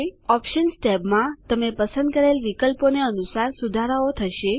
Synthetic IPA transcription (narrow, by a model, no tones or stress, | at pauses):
ɔpʃənsʈɛbmãt̪əmepəsə̃nd̪̚kəɾelʋikəlponeənusaɾsud̪ʱaɾəot̪ʰəʃe